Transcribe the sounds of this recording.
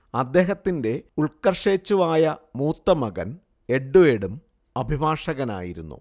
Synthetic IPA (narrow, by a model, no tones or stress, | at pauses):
ɐd̪ːe̞ːɦɐt̪ːinde̞uɭkɐrʂe̞ːt͡ɕːuʋaːjɐmuːt̪ːɐmɐɣɐ̰n | e̞ɖːueɽum | ɐbʱibʱaːʂɐɣɐna̰ːjiɾunːṵ